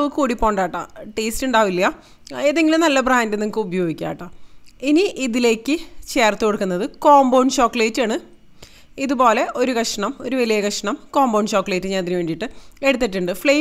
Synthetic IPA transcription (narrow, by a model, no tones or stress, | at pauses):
ɨkuːɽipːo̞ːɳɖaːʈːa̰ʈeːstuɳɖaːʋilːɐjɐ | eːðeŋɡilumnɐlːɐbraːndenemukːɨubɐjo̞ːɡikʲːa̰ːjʈːainiʔiðile̞ːkːɨt͡ɕeːrt̪ːɨkoɽukːunːɐðɨkoːmbownt͡ɕoːkːɐɭeːtːaːɳɨ | iðubo̞ːle̞ʔo̞ɾukɐʂɐɳɐmo̞ɾuʋɐlijɐkɐʂɐɳɐmkoːmbowɳt͡ɕo̞ːkːɐleːtːɨɲaːnɐðinɨʋe̞ːɳɖiʈːɨe̞ɽut̪ːiʈːuɳɖɨfɭe